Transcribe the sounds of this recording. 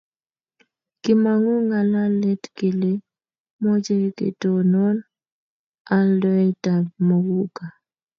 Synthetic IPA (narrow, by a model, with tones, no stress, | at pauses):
kɪ˦ma˨ŋu˦ŋa˨la˦lɛ˦tke˨le˦ | mɔ˦d͡ʒe˦kḛ˨to˨nɔ˦n | a˦ldɔ˦ɛ˦ta˨bmo˦ɡu˦ka˨